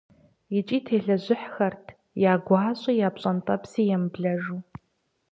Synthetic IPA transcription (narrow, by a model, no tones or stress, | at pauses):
jɪt͡ʃʼiːtʰeːɮɐʑɪħxɐrtʰ | jaːɡʷaːɕʼijaːpɕʼɐntʼɐpsiːjɛmbɮɐʒuː